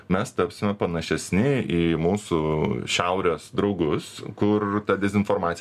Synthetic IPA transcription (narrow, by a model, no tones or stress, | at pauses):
mʲɛst̪ɐpʲsʲɪmʲɛpɐnɐʃʲɛsʲnʲɪiːmuːsuːʃʲæʊɾʲoːsd̪ɾɒʊɡʊskʊrt̪ɐd̪ʲɛzʲɪnfoɾmɑːt̪sʲ